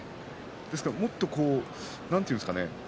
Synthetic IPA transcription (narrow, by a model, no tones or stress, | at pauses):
d̪̥esɨ̥kaɾmo̞t̪ːo̞ko̞ː | nãnt̪eiɯ̃nsɨ̥ka̰ne